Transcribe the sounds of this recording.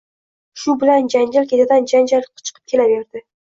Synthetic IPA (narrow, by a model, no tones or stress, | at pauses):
ʃʊbɪland͡ʒand͡ʒalkʲʰe̞t̪ʰad̪and͡ʒand͡ʒalqʰʊ̥t͡ʃʰɨ̥qʰɨ̥p̚kʲʰe̞lave̞ɾd̪ɪ